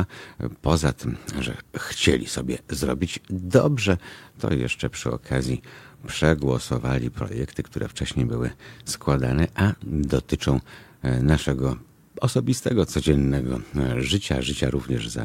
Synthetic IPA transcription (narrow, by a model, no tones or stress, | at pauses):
pɔzat̪ʰɪmʐɛ̰xt͡ɕḛlʲḭsɔbʲjɛzɾɔbʲid͡ʑd̪ɔbʐɛt̪ɔ̰jɛ̰ʂt͡ʂɛpʂɘɔ̰kʰazʲjipʂɛɡwɔsɔvalʲipɾɔ̰jɛkt̪ɘkt̪uɾʔɛ̰ft͡ʂɛɕɲejbɘwɘskwad̪anɛʔad̪ɔt̪ɘt͡ʂɔ̃w̃ | naʂɛɡɔ | ɔsɔbʲist̪ɛɡɔt̪sɔd͡ʑɛnːɛɡɔʐɘt͡ɕa̰ʐɘt͡ɕaɾuvɲɛʐza̰